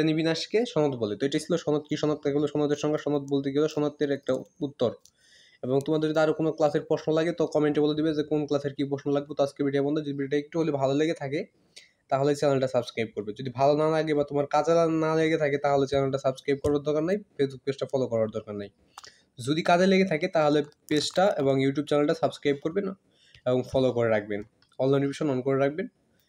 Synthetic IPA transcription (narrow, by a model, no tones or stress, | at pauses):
enibinaʃkeʃɔnot̪bolet̪oejʈat͡ɕʰiloʃɔnot̪kiʃɔnat̪ːeoleoʃɔnot̪ːeɾʃɔŋɡeʃɔnot̪bolt̪̬ekiloʃɔnot̪ːeɾɛk̚ʈaut̪ːoɾ | ebɔŋt̪omaɾeod̪iaɾokonoklaseɾpɾosnolaɡet̪ɔkɔmeɳʈeboled̪ibed͡ʑekonklaseɾkipɾosnolaɡ̚bot̪ɔad͡ʑkebiʈiabɔnd̪ed͡ʑod̪ibiiʈaek̚ʈubolibʱaloleɡet̪ʰake | t̪aɦolet͡ɕɛnalʈasabskɾajb̚koɾbed͡ʑod̪ibʱalonalaɡebat̪omaɾkad͡ʑelanaleɡet̪ʰaket̪aɦolet͡ɕɛnalʈasabskɾajb̚kɔɾbaɾd̪ɔɾkaɾnajfesbuk̚pesʈafɔlokɔɾbaɾd̪ɔɾkaɾnaj | d͡ʑod̪ikad͡ʑeleɡet̪ʰaket̪aɦolepesʈaeboŋjuʈ̬jub̚t͡ɕɛnalʈasabskɾajb̚koɾbena | eboŋfɔlokoɾeɾak̚ʰben | ɔnlanbiʃonːɔnkoɾeɾak̚ʰben